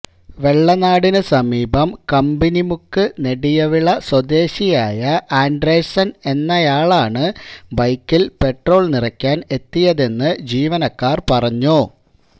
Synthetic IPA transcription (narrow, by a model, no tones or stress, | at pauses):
ʋe̞ɭːɐnaːɽinɨsɐmiːbɐmkɐmbinimukːɨne̞ɽijɐʋiɭɐswɐd̪e̞ːɕijaːjɐʔaːɳɖresɐne̞nːɐjaːɭaːɳɨbɐjkːilpe̞ʈro̞ːɭnirɐkʲːaːne̞t̪ːijɐðe̞nːɨd͡ʑiːʋɐnɐkːaːrpɐrɐɲːu